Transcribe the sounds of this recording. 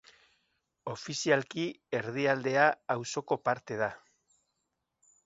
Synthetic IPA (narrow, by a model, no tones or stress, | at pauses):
o̞fisialkie̞ɾðiald̪e̞aːwso̞ko̞paɾt̪e̞ð̞a